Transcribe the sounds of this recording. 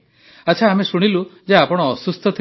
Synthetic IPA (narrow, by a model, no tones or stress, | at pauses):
at͡ʃʰaːmesuɽ̃ilud͡ʒeapɔɽ̃ɔsust̪ʰɔt̪ʰi